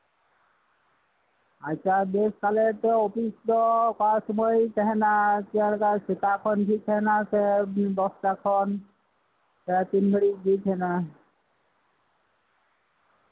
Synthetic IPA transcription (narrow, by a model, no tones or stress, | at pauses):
at͡ʃʰabeskalet̪opisd̪ɔkɔɹasɔmɔjt̪ɛɦɛnat̪ialkasikakʰɔnɡʱʰitʰɛnasɛbɔst̪akʰɔn | sɛt̪inbʱeɽidit͡ʃʰɛna